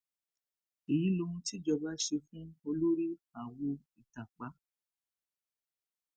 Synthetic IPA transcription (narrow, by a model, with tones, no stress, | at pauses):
i˨ji˨˦lo˧˦ũ˧ti˦d͡ʒɔ˧ba˦ʃe˧fũ˦o˧lo˦ɾi˦a˨wo˧ | i˨ta˨k͡pa˨˦